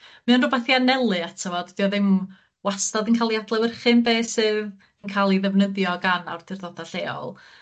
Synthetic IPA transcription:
mɨanrʊbaθianɛlˠɨatʰəvɔdd̥iɔðɪm | wastɔðənkʰaːlˠiadlˠɛwərχɨnbeːsɨːð | ənkʰaːlˠiðɛvnəðjɔɡana̰wrd̥ʰɪrðɔdaɬeːɔ̰lˠ

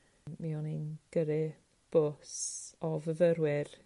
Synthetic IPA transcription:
miɔninɡ̥əɾɪ | b̥ʊsɔvəvəɾwɪr

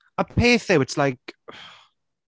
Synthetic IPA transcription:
əpʰeːθðewɪtslajk

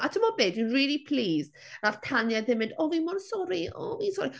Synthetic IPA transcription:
ʔatʰəmɔbeːdinriːlipʰl̥iːz | raftʰanjaðɪmɪndɔvimɔnsɔɾiɔ̰vinsɔɾi

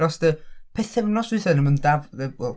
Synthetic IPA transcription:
ɾɔsd̥əpʰɛθɛvnɔsɨθɛnəməndavəwɛlˠ

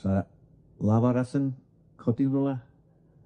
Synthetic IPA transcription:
sa | lavaɾasən | kʰɔdivəlˠa

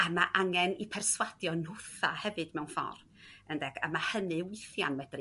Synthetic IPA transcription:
amaʔaŋɛnipʰɛrswad̥jɔnʊθahɛvɨd̥mɛwnfɔ̰r | əndɛɡ̥a̰mahənɨwɪθja̰nmɛdr

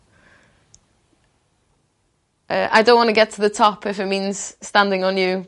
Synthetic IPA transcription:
ʔəʔa̰ɪdõʊ̃nʔwɒ̃nəɡɛtʰəðətʰɒpʰɪfɪt̚mĩnz̥stãndɪ̃ŋə̃njə

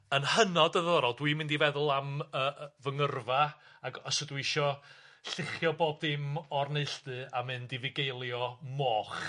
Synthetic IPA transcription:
ənhənɔdəðəðɔɾɔlˠdwiːmɪndivɛðʊlˠaməːvəŋərva | aɡɔsədwiɪʃɔ | ɬɪχjɔboːb̚dɪmɔrneɨɬdɨamɨndivɪɡejlˠjɔmɔːχ

